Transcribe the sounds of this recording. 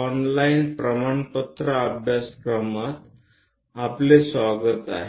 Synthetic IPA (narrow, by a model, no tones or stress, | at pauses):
ɔnlainpɾəmaɳpət̪ɾəəbʱjaskɾəmat̪ | aplesʋaɡət̪a̰ɦe